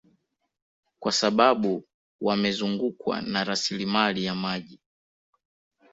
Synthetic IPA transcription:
kwasaɓaɓu | wamɛzuŋɡukwa̰naɾasilimalijamaʄi

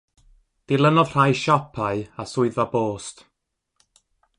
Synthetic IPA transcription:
d̥ɪlˠənɔð̥r̥ajʃɔpʰaɨasʊɨðaboːst

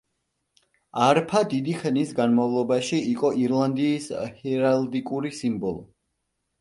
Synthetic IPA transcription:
aɾpʰad̪id̪iχʰnisɡanmavlˠɔbaʃiiqʼɔʔiɾlˠand̪iːshɛɾald̪ikʼuɾisimbɔlˠɔ

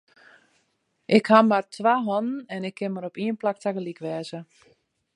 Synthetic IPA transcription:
ʔɪkhamartʋaɦɔnənɛnɪkʰːɪnməɾɔpiənplak̚taɣəlikʋɛːzə

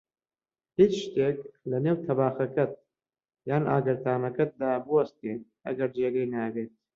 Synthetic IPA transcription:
hiːt͡ʃʃt̪eːklɐneːwt̪ʰɐbaːxɐkɐt̪̚ | jaːnʔa̰ːɡɨɾt̪ʰaːnɐkɐt̪̚d̪aːbɨwɐst̪iːn | ɐ̰ɡɐɾd͡ʒeːɡɐjnaɡeːt̪̚

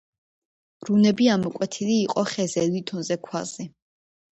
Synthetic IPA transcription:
ɾunɛbiamɔkʼwɛt̪ʰiliːqʼɔχɛzɛlit̪ʰɔnzɛkʰwazi

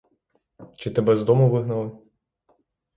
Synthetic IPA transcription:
t͡ʃɪt̪ɛbɛzd̪ɔmʊʋɪɦnɐlˠɪ

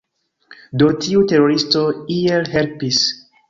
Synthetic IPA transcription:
do̞tiute̞ɾo̞ɾisto̞ielɦe̞lpis

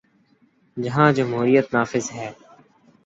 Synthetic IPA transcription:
d͡ʒɐɦãːd͡ʒəmɦuːɾijət̪naːfɪzɦɛː

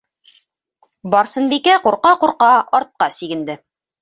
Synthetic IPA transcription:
bɑɾsɤ̆nbikæquɾqɑquɾqɑɒɾt̪̚qɑsiɡɘ̆nd̪ɘ

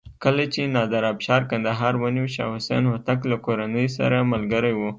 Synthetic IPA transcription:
kəlat͡ʃenɑd̪aɾɑbʃɑɾkand̪aɦɑɾwaniwʃɑ̰hʊsa̰nwat̪aklakoɾanəjsa̰ɾamalɡəɾajwu

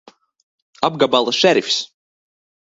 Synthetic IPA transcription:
ab̚ɡabalˠɨsʃæɾfʲs

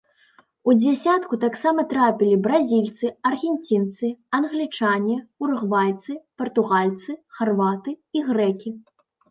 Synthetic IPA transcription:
ud͡zʲasʲat̪kut̪aksamɐt̪ɾapʲilʲibɾazʲilʲt̪sɨɐrɣʲɛnʲt͡sʲint̪sɨɐnɣlʲit͡ʂanʲiurɣvalʲt̪sɨpɐrt̪uɣalʲt̪sɨxarvat̪ɨiɣɾɛkʲi

